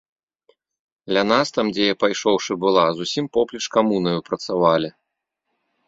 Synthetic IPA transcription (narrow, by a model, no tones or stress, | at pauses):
d̪lʲɐnast̪amd͡zʲɛjapajʂɔwʂɨbɨlˠazusʲimpɔplʲit͡ʂkamunɐjupɾɐt̪savalʲi